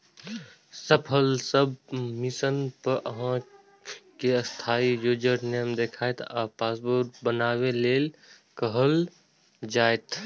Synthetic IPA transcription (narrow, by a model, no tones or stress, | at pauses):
səpʰəlsəbmɪsənpəɾʔəɦã | keəst̪ʰaːid͡ʒoːd͡ʒəɾnəjəmd̪eːkʰaːet̪aːpaːsboːɾt̪bənaːweleːl | kəɦəl | d͡ʒaːet̪